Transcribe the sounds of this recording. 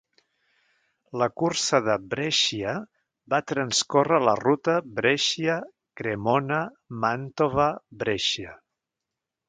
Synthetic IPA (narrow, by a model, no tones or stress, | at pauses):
ləkuɾsəðəbɾɛʃiə | bat̪ɾənskorələrut̪əbɾeʃiə | kɾemonə | mant̪oβəbɾɛʃə